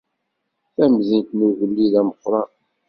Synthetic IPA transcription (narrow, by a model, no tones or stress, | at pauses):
θæmzint̪nuvəlːiðæməqːɾˤɑ